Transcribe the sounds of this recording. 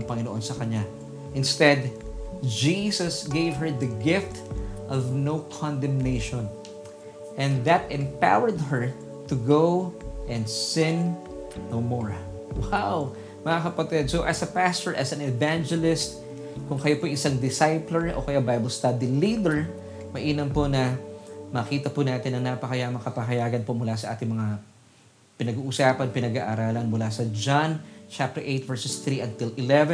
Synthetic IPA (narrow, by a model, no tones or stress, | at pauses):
ŋpɐŋɪnoʔonsɐkɐɲa | ʔɪ̃nst̪ɛd̪ | d͡ʒisɐsɡejvɦɛɹðɐɡɪft̪ʔɔvnowkʰɔ̃nd̪ɛ̃mnejʃɔ̃n | ʔɛ̃nðɐt̪ɛ̃mpa̰wəɹd̪̚ɦɛɹ | t̪ʊɡowʔɛ̃nd̪sɪ̃nː | owmɔɹ | waw | mɐŋakɐpɐt̪ɪd̪̚soʔɐsɐpast̪ɔɹʔɐsɐ̃nɛvãnd͡ʒɛlɪst̪̚ | kʊŋkɐjopoʔɐjʔɪsaŋd̪ɪsajplɛɹʔo̰kɐjabajbɐlst̪ad̪ilid̪ɛɹ | mɐʔiːnɐmponɐmɐkiːt̪ɐpʊnaːt̪ɪnːɐŋnaːpɐkɐjamɐkɐpɐɦɐjaːɡɐnpo̞mʊlasɐʔa̰ːt̪ɪŋmɐŋa | pɪnɐɡuːʔʊsaːpɐnpɪnɐɡaːʔaɾaːlɐnmʊlasɐd͡ʒant͡ʃap̚t̪ɛɹʔejt̪̚vɛɹsɛsθɾiʔɐnt̪ɪlʔɪlɛvɛ